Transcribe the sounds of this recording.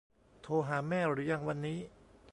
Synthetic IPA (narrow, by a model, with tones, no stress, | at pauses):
t̪ʰoː˧ɦaː˩˦mɛː˥˩ɾɯː˨˩˦ja˧ŋwa˧nːiː˦˥